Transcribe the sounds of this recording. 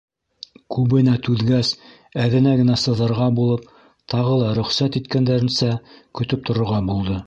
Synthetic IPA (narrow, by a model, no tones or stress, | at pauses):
kʉβɘ̆næt̪ʉðɡæs | æðɘ̆næɡɘ̆næsɤ̆ðɤ̆ɾʁɑbulˠɤp̚ | t̪ɑʁɤlˠɑɾɵ̆χsæt̪it̪kænd̪æɾɘ̆nsækɵ̆t̪ɵp̚t̪ŏɾŏɾʁɑbulˠd̪ɤ